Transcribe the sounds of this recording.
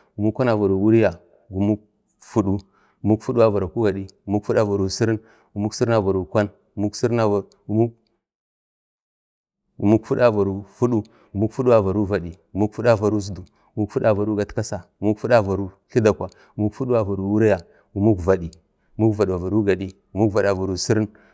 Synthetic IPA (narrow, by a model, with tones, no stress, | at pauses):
ɡu˨mu˦kʷa˦na˨va˨ɾu˨wu˦ɾi˦ja˨ | ɡu˨mu˦k | fu˦ɗu˦ | u˨mu˦kfu˦ɗu˦a˦va˨ɾa˨ku˦ɡa˨ɗi˦ɡu˨mu˦kfu˦ɗa˦va˨ɾu˨si˦ɾi˦n | ɡu˨mu˦ksi˦ɾa˨va˨ɾu˨kʷa˦n | ɡu˨mu˦ksi˦ɾa˦˨ | u˦ | u˨mu˦kfu˦ɗa˦va˨ɾu˨fu˦ɗu˦ | ɡu˨mu˦kfu˦ɗu˦wa˨va˨ɾu˦va˨di˨ɡu˨mu˦kfu˦ɗa˦va˨ɾu˦zu˦du˨mu˦kfu˦ɗa˦va˨ɾu˦ɡa˨tka˦sa˨ɡu˨mu˦kfu˦ɗa˦va˨ɾu˦ɬi˦da˨kʷwa˨ | ɡu˨mu˦kfu˦ɗu˦a˦va˨ɾu˨wu˦ɾa˦ja˨ | ɡu˨mu˦kva˨di˨ | u˨mu˦kva˨ɗi˨a˨va˨ɾu˦ɡa˨ɗi˦ɡu˨mu˦kva˨da˨va˨ɾu˨si˦ɾi˦n